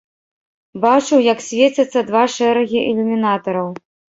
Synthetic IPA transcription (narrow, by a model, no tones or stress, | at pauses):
bat͡ʂɨwjɐksʲvʲet͡sʲɐt̪sːɐd̪vaʂɛɾɐɣʲiʔɛlʲumʲinat̪ɐɾɐw